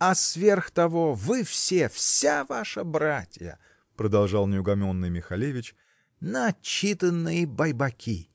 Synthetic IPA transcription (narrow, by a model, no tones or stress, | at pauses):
ɐsvʲe̞rxt̪ɐvovɨfsʲefsʲavaʂəbɾatʲjə̰ | pɾəd̪ɐlˠʐɑlˠnʲɪʊɡɐmʲonːɨjmʲɪxɐlʲevʲɪt͡ɕ | nəɐt͡ɕːit̪ənːɨjəbɐjbɐkʲʰi